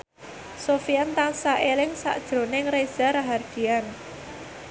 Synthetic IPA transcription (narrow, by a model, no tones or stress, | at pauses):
sofiant̪aŋsaʔelɪŋsa̰ʔd̥ʒ̥ɾo̤nɪŋrez̥aɾaɦard̥ian